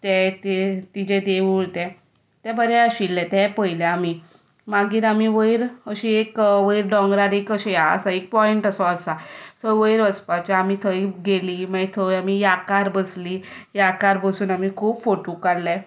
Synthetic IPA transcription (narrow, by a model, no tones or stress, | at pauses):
t̪ɛt̪et̪id͡ʑɛ̃d̪eʋuɭt̪ɛ̃ | t̪ɛ̃bəɾɛəɕilːɛ̃t̪ɛ̃pəjlaami | maɡiːɾamiʋəiɾəɕiekʋəiɾɖɔ̃ŋɡɾaɾekəɕɛjaə̰saek̚pɔiɳʈəsɔəsat̪ʰəʋəjɾʋəspat͡ɕaamit̪ʰəjɡeliːmaɛt̪ʰəjamijakaɾbəslijakaɾbəsuːnamikʰuːbfoʈukaɽlɛ